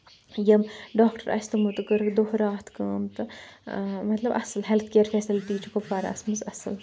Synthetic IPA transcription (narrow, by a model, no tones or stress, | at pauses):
jɐmɖaːkʈɐɾʔɐ̰sʰt̪ɨmut̪ɨkɨɾd̪ohɾaːt̪ʰkɐːmt̪ɨ | mɐt̪lɐbɐ̰sɨlɦelt̪ʰkeːɾfʰɛːsilʈiːt͡ʃukofɐːɾɐ̰smɨzɐsɨl